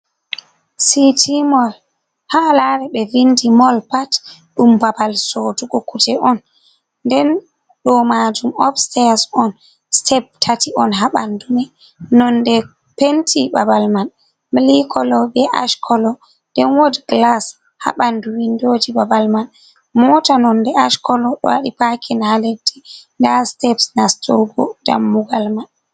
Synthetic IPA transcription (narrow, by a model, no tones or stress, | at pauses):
sitʰimɔl | haːlaɾɛɓɛvindimɔlpat | ɗumbabalsotuɡɔkutɛʔɔnː | dɛn | ɗɔmad͡ʒumɔfstɛasɔn | stʰɛb̚tʰatiɔnɦaɓandumɛ | nɔndɛ | pentʰibabalman | milikʰɔlɔbɛʔa̰ʃkʰɔlɔ | dɛnwodɡlas | ha̰ɓanduwindod͡ʒibabalman | mɔtanɔndɛʔaʃkɔlɔɗɔ̰waɗipakʰinhaledːindastɛpsnastʰoɡɔ̰da̰mːuɡalman